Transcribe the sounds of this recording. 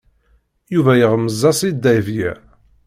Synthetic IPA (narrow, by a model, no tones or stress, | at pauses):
juvæjəʁməzˤːɑsˤid̪ːæjvjæ̰